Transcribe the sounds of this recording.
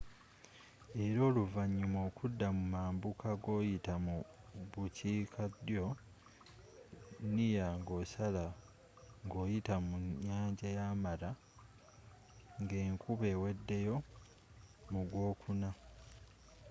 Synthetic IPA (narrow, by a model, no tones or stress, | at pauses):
e̞ɾo̞ːluvaɲːumo̞ːkʰudːamumaːmbukʰaɡo̞ːjitamuβucʰiːkʰadjo̞ | nijaːŋɡo̞ːsala | ŋɡo̞ːjitamuɲːaːɲɟajaːmala | ŋɡe̞ːŋkuβe̞we̞dːe̞jo̞ | muɡwo̞ːkʰuna